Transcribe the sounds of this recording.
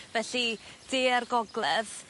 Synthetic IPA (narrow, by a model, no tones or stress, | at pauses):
vɛɬid̥eːarɡɔɡlɛð